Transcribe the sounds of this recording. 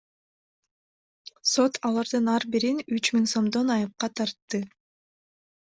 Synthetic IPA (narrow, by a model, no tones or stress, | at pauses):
so̞t̪ʰɑlˠɑɾd̪ɯnɑɾbiɾinyt͡ʃmiŋso̞md̪o̞nɑjɯp̚qɑt̪ʰɑɾt̪ːɯ